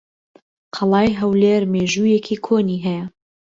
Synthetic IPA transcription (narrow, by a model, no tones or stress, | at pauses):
qʰɑlˠɑːjɦɐwleːɾmeːʒuːjekʰiːkʰoːniːɦɛjɐ